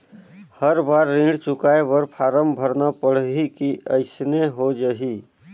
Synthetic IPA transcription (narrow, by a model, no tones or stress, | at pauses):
həɾbaːɾːĩɳɖt͡ʃʊkaːebəɾpʰaːɾəmbʱəɾnapəɽ̤ɦikiəɪsneɦod͡ʒaɦi